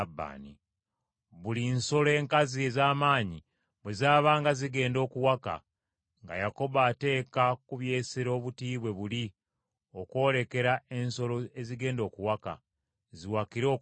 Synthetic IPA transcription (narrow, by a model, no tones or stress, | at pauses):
bːa̰ːni | βulinso̞le̞ːŋkazie̞zaːmaːɲi | βwe̞zaːβaːŋɡaziɡe̞ːndo̞ːkuwaka̰ | ŋɡa̰jako̞βaːte̞ːkakuβje̞ːsiɾo̞ːβutiːβwe̞βuli | o̞ko̞ːle̞ke̞ɾae̞nso̞lo̞eziɡe̞ːndo̞ːkuwaka̰ | ziwakiɾo̞ː